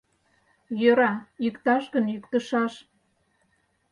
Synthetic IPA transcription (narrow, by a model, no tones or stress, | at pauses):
jøɾɑjykt̪ɑʃɣənjykt̪əʃɑʃ